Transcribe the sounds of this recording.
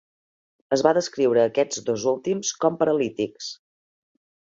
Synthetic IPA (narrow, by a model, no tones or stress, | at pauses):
əzβaðəskɾiwɾəːkɛd͡zd̪ozulˠt̪imskɔmpəɾəlit̪iks